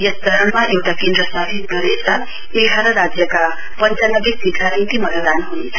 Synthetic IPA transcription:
jʌst̪ʌɾʌnmaʔewʈakend̪ɾʌsʌbʱit̪ɡʌɾesʌ | eɡʱaɾʌɾad͡zjʌka | pʌnt͡sanʌɡik̚siɡ̪ʰʱaɾint̪imʌɦad̪anɦunet͡sʰʌ̥

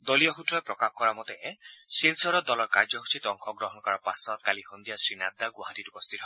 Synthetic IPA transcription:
d̪olijɔxutɹɔjpɹɔkaxkɔɹamɔt̪ɛsilsɔɾɔd̪ɔlɔɹkaɹd͡ʒɔɦu̥sʰit̪ɔŋkʰɔɡɹɔɦɔnkɔɹapasɔt̪̚kalixond̪ijasɹinad̪ːaɡwaɦatitupɔst̪ʰit̪ɔɦɔ

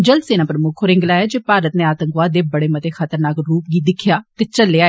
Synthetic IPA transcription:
d͡ʒəld̪seːnãːpɾəmʊkʰoɾɪ̃ŋɡlaːeːd͡ʒeːpaːɾət̪neːaːt̪əŋkʋaːd̪eːbəɽeːmət̪eːxʰət̪əɾnaːkɾuːp̚ɡiːd̪ɪkʰjaːt̪eːt͡ʃəlːeːaːeː

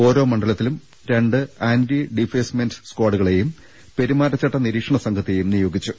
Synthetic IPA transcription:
o̞ːɾo̞ːmɐɳɖɐlɐt̪ːilum | ɾe̞ɳɖɨaːndiɖifeːsmendskwaːɖuɣɐɭe̞jum | pe̞ɾimaːɾɐt͡ɕːɐʈːɐniɾiːkʂɐɳɐsɐŋɡʰɐt̪ːejumnijo̞ːɡit͡ɕːu

